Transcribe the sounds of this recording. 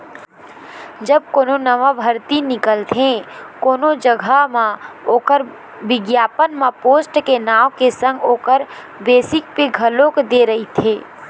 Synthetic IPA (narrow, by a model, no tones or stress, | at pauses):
d͡ʒəb̚koːnonəʋabʱəɾt̪inɪkəlt̪ʰẽkoːnod͡ʒəɡʱamãoːkəɾ | bɪɡjaːpənmãpoːsʈkenaːʋkesə̃ŋɡoːkəɾ | beːsɪk̚peɡʱəlõkd̪eɾəɦit̪ʰeː